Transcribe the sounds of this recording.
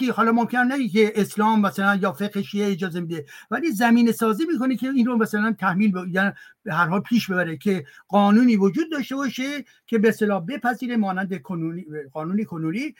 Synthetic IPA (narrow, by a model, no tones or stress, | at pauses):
ihɒːlɒːmomkʰenænæɡeke̞ʔeslɒːmːæsælænjɒːfe̞ɣheʃiːeːd͡ʒɒːze̞mid̪evæliːzæmiːnesɒːziːmiːko̞nekʰe̞iːnromæsælænt̪ʰæhmiːlbejænbehæɾɦɒːlpʰiːʃbe̞bæɾecʲʰe̞ɢ̥ɒːnuːniːvod͡ʒuːd̪̚ːɒːʃt̪e̞bɒːʃe̞ | cʰe̞best̪elɒːhbe̞pʰæziːɾe̞mɒːnænd̪ekʰonuniɢɒːnuːnekʰonuniː